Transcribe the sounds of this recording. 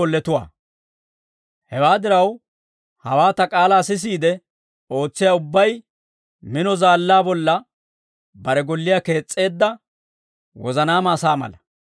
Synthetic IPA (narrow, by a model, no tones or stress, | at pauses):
ɔlːɛt̪ʊwa̰ː | hɛwaːd̪ɪɾɐw | hɐwaːt̪ɐkʼaːlaːsɪs̬iːd̪ɛ | o̞ːt͡sːɪjaːʊbːɐj | mɪnɔzaːlːaːbɔlːɐ | bɐɾɛɡɔlːɪjake̞ːt͡sʼːe̞ːd̪ːɐ | wɔ̰zɐnaːmaːsaːmɐ̰lɐ